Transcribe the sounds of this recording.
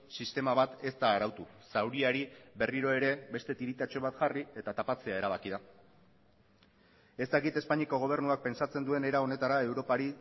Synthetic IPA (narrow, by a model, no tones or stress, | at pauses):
sist̪e̞maβat̪e̞st̪aːɾawt̪usawɾiaɾiβe̞riɾo̞e̞ɾe̞be̞st̪e̞t̪iɾit̪at͡ʃo̞β̞at̪ʝarie̞t̪at̪apat͡se̞ae̞ɾaβakiða | e̞st̪akit̪e̞spaɲiako̞ɣ̞o̞β̞e̞ɾnuak̚pe̞nsat͡se̞nd̪ue̞ne̞ɾao̞ne̞t̪aɾae̞wɾo̞paɾi